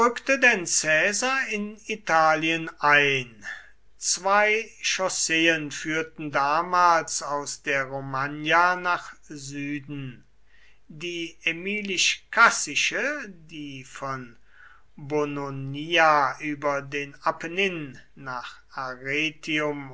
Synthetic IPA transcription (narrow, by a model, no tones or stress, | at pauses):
ʏktədɛnt͡sɛːzaɐɪnitʰaːliənʔaɪn | t͡sv̥aɪʃɔseːənfyːɐtn̩daːmaːlsaʊsd̥eːɐʁomanjanaːχzyːdn̩ | diːemiːlɪʃkʰasɪʃədiːfɔn | bononiaʔyːbɐdeːnapʰənɪnːaːχ | aʁeːtʰiʊm